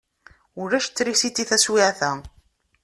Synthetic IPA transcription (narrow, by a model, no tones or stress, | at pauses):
ʊɾæʃt͡sːɾisit̪ːiθæswiʕθæ